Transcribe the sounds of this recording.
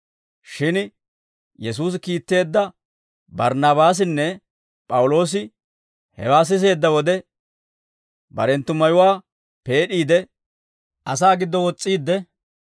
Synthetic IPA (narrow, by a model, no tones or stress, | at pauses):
ʃɪn | jɛs̬uːs̬ɪkiːt̪ːe̞ːd̪ːɐ | bɐɾnɐβaːs̬ɪnːɛ | pʼɐwʊlo̞ːs̬ɪ | hɛ̰waːs̬ɪs̬e̞ːd̪ːɐwɔd̪ɛ | bɐ̰ɾɛnt̪ːʊmɐjʊwaː | pe̞ːɗiːd̪ɛ | ʔɐs̬aːɡɪd̪ːɔwɔt͡sʼːiːd̪ːɛ